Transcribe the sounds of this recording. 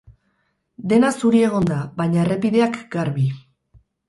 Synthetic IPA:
d̪e̞nasuɾie̞ɣ̞o̞nd̪aβajɲaere̞piðe̞akɡaɾβi

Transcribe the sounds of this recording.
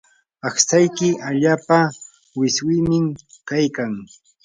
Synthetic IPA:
aχsajkɪaʎaːpa | wɪswɪmɪmkajkaŋ

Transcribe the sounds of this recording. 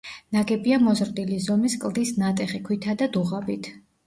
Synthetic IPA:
naɡɛbiamɔzɾd̪ilizɔmiskʼlˠd̪isnat̪ʼɛχikʰwit̪ʰad̪ad̪uʁabit̪ʰ

